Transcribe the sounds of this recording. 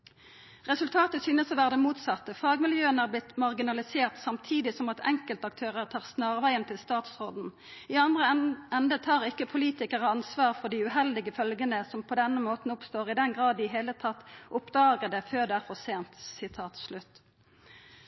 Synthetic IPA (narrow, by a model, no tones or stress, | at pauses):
ʁɛsʉlt̪ʰɑːt̪əsyːnəsɔʋæːʁd̪əmuːt̪sɑt̪ːəfɑːɡmɪljøːənæːʁblɪt̪mɑʁɡɪnɑlɪseːʁt̪sɑmt̪ʰiːd̪ɪsɔmɑt̪ʰɛ̰ŋkəlt̪ɑk̚t̪ʰøːʁəʁt̪ʰɑːʁsnɑːʁʋæɪənt̪ʰɪlst̪ɑːt̪sʁoːd̪n̩ | iːɑnd̪ʁəʔɛnd̪ət̪ʰɑːʁɪkːəpʰʊliːt̪ɪkəʁəɑnsʋɑːʁfɔʁɖ̪iːʉɦɛld̪ɪɡəfœlɡənəsɔmpʰɔd̪ɛnːəmoːt̪n̩ʊpst̪oːʁɪd̪ɛnɡʁɑːd̪ɪɦeːlət̪ʰɑt̪ːʔʊpd̪ɑːɡəd̪ɛføːʁd̪ɛæːʁfɔʁseːnt̪sɪt̪ʰɑːt̪slʉt̪